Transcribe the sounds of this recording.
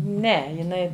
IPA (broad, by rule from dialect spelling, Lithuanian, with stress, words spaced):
ˈnʲɛ jɪˈnɐɪ